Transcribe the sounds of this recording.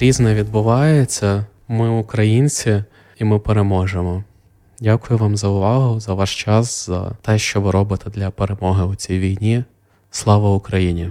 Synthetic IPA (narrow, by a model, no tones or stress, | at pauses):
ɾʲiznɛʋʲid̪bʊʋɑjet͡sʲːɐ | mɪʊkɾɐjinʲt͡sʲi | imɪpeɾemɔʒemɔ | dʲakʊjʊʋɑmzɐʊʋɑɦʊzɐʋɑʃt͡ʃɑsz̥ɐ̰t̪ɛʃt͡ʃɔʋɪɾɔbɪt̪ɛd̪lʲɐpeɾemɔɦɪʊt͡sʲijʋʲijnʲi | slˠɑʋɐʊkɾɐjinʲi